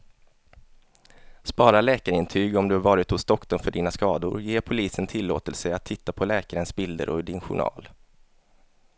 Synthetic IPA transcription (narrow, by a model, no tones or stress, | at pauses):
spɑːɾalɛːkaɾɪnt̪ʰyːɡɔmd̪ɵhaɾvɑːɾɪt̪hʊsːd̪ɔkːtɔlmfœɖiːnaskɑːd̪ʊ̰ɾjeːɾpʰʊliːsənt̪ʰɪlːo̰ːt̪əlsəat̪ʰːɪt̪ːapʰɔlɛːkaɾənsbɪld̪ə̰ɾʔɔ̰ɖɪnɧʊ̰ɳɑ̰ːl